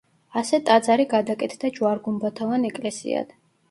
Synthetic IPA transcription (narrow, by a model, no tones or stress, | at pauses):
asɛt̪ʼad̪zaɾiɡad̪akʼɛt̪ʰd̪ad͡ʒwaɾɡumbat̪ʰɔvanɛkʼlɛsḭa̰d̪̥